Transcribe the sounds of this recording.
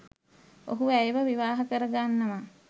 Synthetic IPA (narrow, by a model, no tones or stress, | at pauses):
o̰ɦuæjʋəʋiʋaːɦɐkəɾəɡanːəma